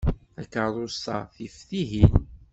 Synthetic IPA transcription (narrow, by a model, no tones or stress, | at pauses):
ækəɾɾˤost̪ɑθifθiɦin